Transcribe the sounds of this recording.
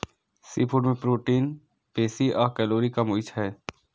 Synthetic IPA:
siːpʰʊɖmẽpɾuːʈiːn | peːsiɔːɾkɛːloːɾikamʊɪt͡ʃʰɦɛː

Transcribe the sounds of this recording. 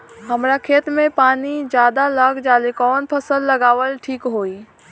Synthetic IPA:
ɦəmɾakʰeːt̪mẽpaːnid͡ʒjaːd̪alaɡd͡ʒaːlekɔːnpʰəsəlːəɡaːʋəlʈʰiːkɦoːiː

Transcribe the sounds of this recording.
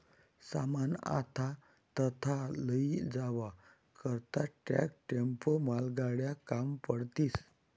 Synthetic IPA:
sa̰mana̰t̪ʰa | t̪ət̪ʰaləid͡zaʋa | kəɾt̪aʈɛ̰k̚ʈempomalɡaɽjakampəɽt̪iːs

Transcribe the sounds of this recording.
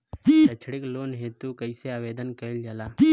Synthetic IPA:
ət͡ʃʰɽɪkloːnɦeːt̪ukəiseaːʋeːd̪ənkɐɪld͡ʒaːlaː

